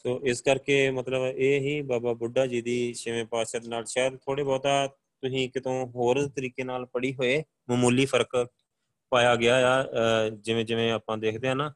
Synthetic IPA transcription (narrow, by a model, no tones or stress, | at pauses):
soːʔɪskəɾkeːmət̪ləbeːɦiːbaːbaːbʊɖːaːd͡ʒiːd̪iːʃɪʋẽːpaːʃəd̪naːlʃaːjd̪t̪ʰoːɽeːbɔːt̪aː | t̪ʊsĩːkɪt̪õːɦoːɾet̪əɾiːkeːnaːlpəɽiːɦoːeː | məmuːliːpʰəɾək | paːjaːɡɪaːjaːd͡ʒɪʋẽːd͡ʒɪʋẽːaːpãːd̪eːkʰd̪eːɦãːnaː